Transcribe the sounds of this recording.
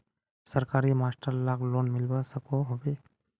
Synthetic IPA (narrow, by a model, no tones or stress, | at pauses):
səɾkaːɾimaːsʈəɾlakloːnmɪlʋasəkoɦobe